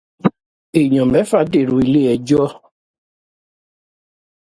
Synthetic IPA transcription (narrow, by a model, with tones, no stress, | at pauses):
e˨ɲɔ̃˨mɛ˨˦fa˦de˦˨ɾo˨i˨le˦ɛ˨d͡ʒɔ˦